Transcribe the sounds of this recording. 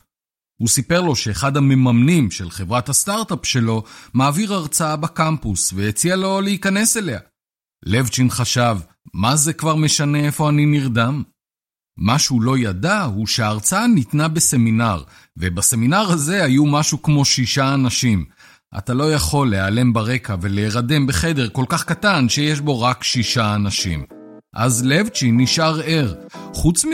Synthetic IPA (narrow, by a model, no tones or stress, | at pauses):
husipe̞ʁlo̞ʃe̞ːχadhame̞mamnimʃelχe̞vʁathastaʁtapʃe̞lo̞maːviʁaʁt͡saabakampusveet͡sialo̞leikane̞se̞le̞a̰ | le̞vt͡ʃinχaʃav | mazekvaʁme̞ʃane̞efo̞aniniʁdamː | aʃeulo̞jadahuʃeaːʁt͡saanit̪nabe̞se̞minaʁ | ve̞base̞minaʁhaze̞ajumaʃukmo̞ʃiʃaːnaʃim | ʔa̰talo̞jaχo̞lːeale̞mbaʁe̞kave̞leːʁade̞mbe̞χe̞de̞ʁko̞lkaχkatanʃe̞je̞ʃ̬bo̞ʁakʃiʃaːnaʃḭm | ʔa̰zlevt͡ʃinːiʃaʁe̞ʁχut͡smi